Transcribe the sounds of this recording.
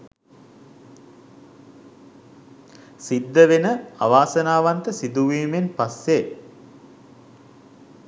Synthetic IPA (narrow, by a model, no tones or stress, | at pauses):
sid̪ːəʋenəa̰ʋaːsənaːʋant̪əsid̪uʋiːmenpasːe